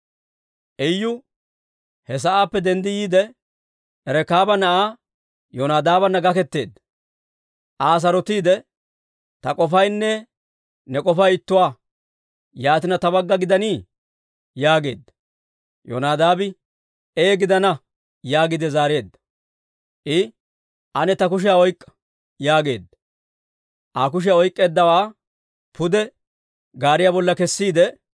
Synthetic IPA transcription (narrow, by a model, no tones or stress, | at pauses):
ʔɛjːʊ | hɛs̬ɐʔaːpːɛd̪ɛnd̪ɪjiːd̪ɛ | ɛɾɛkaːbɐnɐʔaː | jɔnaːd̪aːbɐnːɐɡɐkɛt̪ːe̞ːd̪ɐ | ʔaːs̬ɐɾɔt̪iːd̪ɛ | t̪ɐkʼɔfɐjnːɛ | nɛkʼɔfɐjɪt̪ːʊwaː | jaːt̪ɪnɐt̪ɐbɐɡːɐɡɪd̪ɐniː | jaːɡe̞ːd̪ːɐ̥ | jo̰naːd̪aːbɪ | eːɡɪd̪ɐnɐ | jaːɡɪd̪ɛzaːɾe̞ːd̪ːɐ̥ | ʔɪ | ʔɐnɛt̪ɐk̬ʊʃ̬ɪjaɔjkʼːɐ̥ | jaːɡe̞̰ːd̪ːɐ | ʔaːk̬ʊʃ̬ɪjaɔjkʼːe̞ːd̪ːɐwaː | pʰʊd̪ɛ | ɡaːɾɪjaːbɔlːɐkɛsːiːd̪ɛ